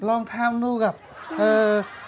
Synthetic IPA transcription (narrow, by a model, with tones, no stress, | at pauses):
lɔː˧ŋt̪ʰaː˧mnuː˧ɣa˩p̚ʔəː˧